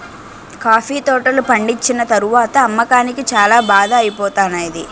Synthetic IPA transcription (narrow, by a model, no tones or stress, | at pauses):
kaːpʰiːt̪ɔːʈɐlupɐɳɖit͡ʃːinɐt̪ɐɾuʋaːt̪ɐːmːɐkaːnikit͡ʃaːlaːbaːd̪ɐːjipɔːt̪aːnɐjid̪i